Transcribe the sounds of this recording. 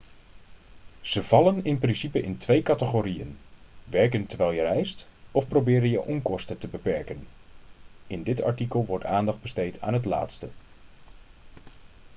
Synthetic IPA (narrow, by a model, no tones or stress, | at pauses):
z̥əv̥ɑlənɪnprɪnsipəʔɪntʰʋejkatəχoɾiə̰nʋɛrkəntərʋɛjlˠjərɛjstɔfprobɪːɾənjəʔɔŋkɔstətəbəpɛɹkən | ɪndɪtʰa̰ɹtikəlˠʋɔɹtʰaːndɑχd̚bəstejtʰa̰ːnɦətla̰ːtstə